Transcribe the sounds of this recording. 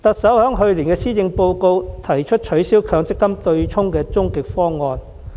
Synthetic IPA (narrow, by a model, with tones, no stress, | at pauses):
t̪ɐ˨k̚sɐ˨˥whœː˨˥ŋɦɵ˧ɥliː˨˩nkɛː˧siː˥t͡sɪ˧ŋpo˧wko˧wt̪ʰɐ˨˩jt͡ʃʰɵ˥t̚t͡ʃʰɵ˨˥ɥsiː˨˥wkʰœː˨˧˥ŋt͡sɪ˥kːɐ˥mt̪ɵ˧ɥt͡ʃʰʊ˥ŋkɛː˧t͡sʊ˥ŋkɪ˨k̚fɔː˥ŋɔː˧n